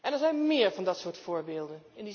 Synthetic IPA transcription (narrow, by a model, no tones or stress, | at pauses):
ʔɛndəɹzɛjnmɪːɹvɑndɑtsʊːɹtfʊːɹbeːlˠdənɪndi